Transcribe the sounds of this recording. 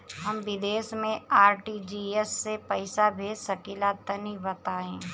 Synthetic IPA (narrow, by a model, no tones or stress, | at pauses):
ɦəmʋɪd̪eːʃmẽaːɾʈid͡ʒiesːepəɪsabʱesəkilat̪ənibɐt̪aːẽː